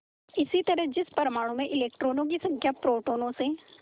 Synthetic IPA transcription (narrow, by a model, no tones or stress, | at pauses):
ɪsit̪ɐɾəɦd͡ʒɪspɐɾmaːɽ̃õmẽʔɪleːk̚ʈɾoːnõk̬isɐ̃ŋkʰjapɾoːʈoːnõse